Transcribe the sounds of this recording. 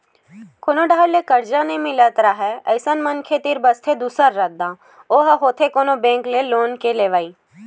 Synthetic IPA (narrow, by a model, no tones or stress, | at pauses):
kʰonoɖaːɽlekəɾd͡ʒanĩmɪlət̪ɾaːɦɛəɪsənmənkʰet̪iɾbəst̪ʰed̪usəɾːək̚d̪ãː | oːɦɦoːt̪ʰekoːnobẽːŋkleloːnkeleːʋaːiː